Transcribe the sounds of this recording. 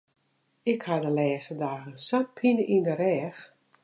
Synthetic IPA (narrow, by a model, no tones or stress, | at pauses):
ɪkhadəlɛːsədaːənsat̚pʰinəʔindəɾɛːx